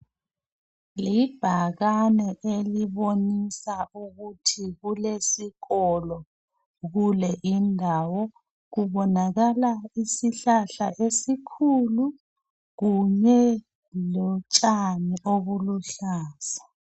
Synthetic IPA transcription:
lib̥ʱaɣanɛʔeliβonisauɣutʰiɣulesiɣɔlɔ | ɣulɛʔindʱawɔ | ɣuβɔnaɣalaisiɬaɬaʔesikʰulu | ɣuɲɛ | lɔt͡ʃʼaniʔoβuluɬaːsḁ

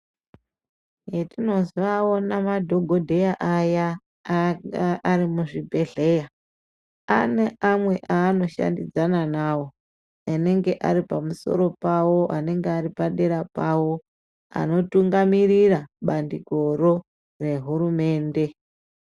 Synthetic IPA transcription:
jetino̞ziʋao̞namadʱo̞ɡʱo̞dʱe̞jaʔaja | aaɾimuʐibʱe̞ɮe̞ja | a̰ne̞ʔamwe̞ʔaːno̞ʃa̰ndid͡zananaːwo̞ | ane̞ŋɡe̞ʔaɾipamuso̞̰ɾo̞pawo̞ʔane̞ŋɡeaɾipaɗeɾapawo̞ | a̰no̞tuŋɡamiɾiraɓandiɡʱo̞ɾo̞ | re̞ɦuɾume̞ːnde̞

